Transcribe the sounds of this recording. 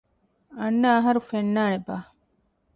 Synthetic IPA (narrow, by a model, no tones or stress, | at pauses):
ɐnːɐːɦɐɾufenːaːnebaː